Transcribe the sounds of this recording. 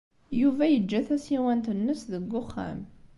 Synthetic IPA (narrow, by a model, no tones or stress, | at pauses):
juvæjəd͡ʒːæθæsiwænt̪ənːəsðəɡːʊχːæ̰m